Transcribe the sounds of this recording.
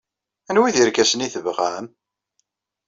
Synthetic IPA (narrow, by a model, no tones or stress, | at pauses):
ænwiðiɾɡæsəniθəvʁæm